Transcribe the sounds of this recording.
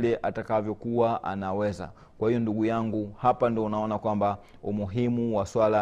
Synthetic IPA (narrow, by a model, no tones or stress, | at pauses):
lɛʔʔatakavjɔkuwaʔa̰nawɛza̰ | kwahijɔnduɡujaŋɡuhapandiɔunaɔnakwamba | umuɦimuwaswala